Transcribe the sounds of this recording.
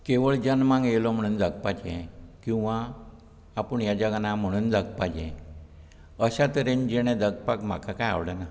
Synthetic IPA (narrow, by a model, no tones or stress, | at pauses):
keʋəɭd͡ʑənmãŋɡjelɔm̤əɽ̃uːnd͡zaɡpad͡ʑɛ̃kĩw̃ʋãː | pəɳjad͡ʑaɡanam̤əɽ̃uːnd͡zaɡpad͡ʑɛ̰̃ | əɕat̪əɾend͡ʑeɽ̃ẽd̪əɡpakm̤a̰kakaja̰ʋɽana